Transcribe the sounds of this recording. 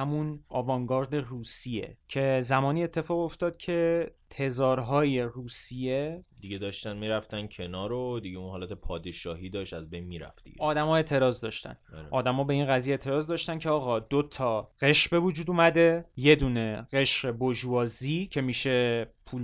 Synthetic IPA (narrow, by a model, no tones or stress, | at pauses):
hæmunɒːvɒŋɡɒːɾd̪e̞ruːsije̞̰cʰe̞zæmɒːniːe̞t̪ʰːe̞fɒːɣoft̪ɒːd̪̚cʰe̞t̪ʰe̞zɒːɾɦɒːje̞ruːsije̞d̪iɡed̪ɒːʃt̪ænmiːɾæft̪æn̚cʰenɒːɾod̪iɟeunhɒːlæt̪ʰepʰɒːd̪eʃɒːɦiːd̪ɒːʃt̪æzbejnmiːɾæ̰ft̪ḭʔɒːd̪æmɒːe̞ːt̪ʰe̞ɾɒːzd̪ɒːʃt̪æ̰næɾeʔɒːd̪æmɒːbe̞inɢæzijeeːt̪ʰe̞ɾɒːzd̪ɒːʃt̪æncʰeɒːɣɒd̪ot̪ʰɒɢe̞ʃbe̞vud͡ʒuːd̪umæd̪e̞je̞d̪uːne̞ɣe̞ʃɢe̞bod͡ʒuvɒːziːcʰe̞miːʃe̞pʰuːl